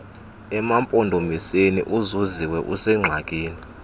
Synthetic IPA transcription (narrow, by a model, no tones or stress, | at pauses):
ɛmampʼɔndʱomisenḭʔuzuziwɛʔusɛŋ͡ǁʱakʼiːni